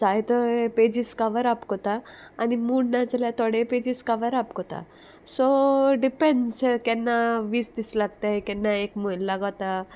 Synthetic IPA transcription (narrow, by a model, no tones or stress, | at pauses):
d͡zajt̪əped͡ʑiskaʋəɾapkot̪aːnimuɽnat͡səljat̪oɽeped͡ʑiskaʋəɾapkot̪a̰ | soɖipenskɛnːaʋiːsd̪islaɡ̚t̪akɛnːaekmojnlaɡawt̪a